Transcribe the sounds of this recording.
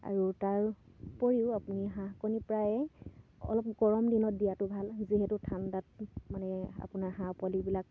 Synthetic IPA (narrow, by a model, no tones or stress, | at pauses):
a̰ɹutaɹ | poɹiʊapuniɦãkonipɹajɛɔ̰lɔp̚ɡɔɹɔmdinɔt̚dijatʊbʱalziɦɛtʊtʰandat̚manɛa̰punaɹɦãpɔlibilak̚